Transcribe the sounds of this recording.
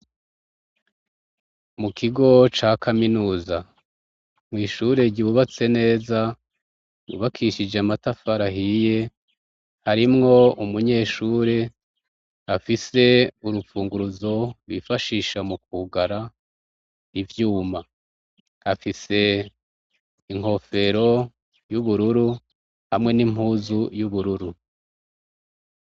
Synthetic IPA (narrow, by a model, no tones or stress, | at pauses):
mukʰiɡo̞t͡ʃaːkʰaminuːza | mŋiːʃuɾe̞ɾɟiβuβat͡se̞ne̞ːza | ṵβakʰiʃid͡ʒeamatafaɾaɦije̞ | haɾimŋo̞umuɲe̞ːʃuːɾe̞ | afise̞uɾufuːŋɡuɾuzo̞ɾwifaʃiːʃamuk̚uɡaɾa | ivjuːma | afise̞ | iŋ̥ho̞fe̞ɾo̞ | juβuɾuɾu | hamŋe̞nim̥huːzujuβuɾuɾu